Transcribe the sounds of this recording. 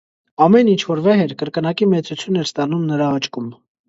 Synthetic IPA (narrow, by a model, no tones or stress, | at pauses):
ɑmɛnint͡ʃʰvɔɾvɛɦɛɾkəɾkənɑkimɛt͡sut͡sʰjunɛɾst̪ɑnumnəɾɑɑt͡ʃkum